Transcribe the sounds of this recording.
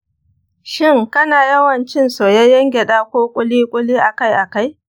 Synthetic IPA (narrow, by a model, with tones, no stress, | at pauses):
ʃɪ˦˨ŋkɐ˦naː˨jɐ˦wɐ˨nt͡ʃɪ˦nsoː˨ja˦jɐ˦ŋɡʲe˨ɗaː˦kʷoː˦kʷʼʊ˦liː˦kʷʼʊ˦liː˦ʔa˨ka˦˨jʔa˨ka˦j